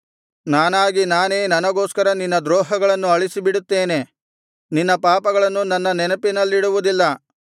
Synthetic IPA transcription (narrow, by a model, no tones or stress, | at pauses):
naːnaːɡinaːne̞ːnɐnɐɡo̞ːskɐɾɐninːɐd̪ɾoːɦɐɡɐɭɐnːuɐɭisibiɽut̪ːe̞ːne̞ | ninːɐpaːpɐɡɐɭɐnːunɐnːɐnɛnɐpinɐlːiɽuʋud̪ilːɐ